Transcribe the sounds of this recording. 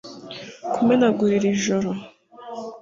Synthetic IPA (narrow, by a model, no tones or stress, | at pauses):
kumenaɡuɾiɾiʒoɾo